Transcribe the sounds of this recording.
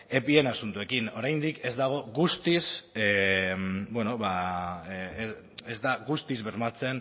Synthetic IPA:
e̞pie̞nasunt̪ue̞kino̞ɾajnd̪ike̞zd̪aɣ̞o̞ɣust̪is | bwe̞no̞βa | ezd̪aɣust̪izβe̞ɾmat͡se̞n

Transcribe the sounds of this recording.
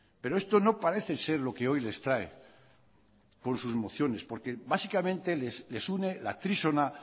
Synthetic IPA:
pe̞ɾoe̞st̪o̞no̞paɾe̞θese̞ɾlo̞keo̞jle̞st̪ɾaḛ | ko̞nsuzmo̞θjo̞nespo̞ɾke̞basikamẽnt̪e̞lesle̞sune̞la̰t̪ɾisona

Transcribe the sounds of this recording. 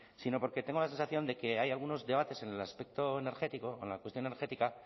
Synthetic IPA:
sino̞po̞ɾke̞t̪e̞ŋɡolase̞nsaθjo̞nd̪eke̞ajalɣ̞uno̞zðe̞β̞at̪e̞se̞nelaspe̞k̚t̪o̞ene̞ɾxe̞t̪iko̞oenlakwest̪jo̞nneɾxe̞t̪ika

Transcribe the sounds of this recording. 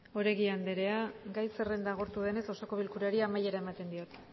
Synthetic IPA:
o̞ɾe̞ɣiand̪eɾe̞aɡajse̞re̞nd̪aɣ̞o̞ɾt̪uðe̞ne̞so̞so̞ko̞β̞ilkuɾeaɾiamaje̞ɾaemat̪e̞nd̪io̞t̪

